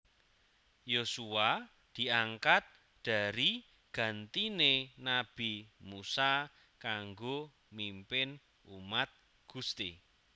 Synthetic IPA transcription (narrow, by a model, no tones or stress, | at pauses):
josua | d̪̥i̤aŋkat̪̚ | d̪̥a̤ɾi | ɡ̥ä̤nt̪inenab̥imusa | kaŋɡo | mimpɪn | umat̪̚ | ɡ̥ust̪i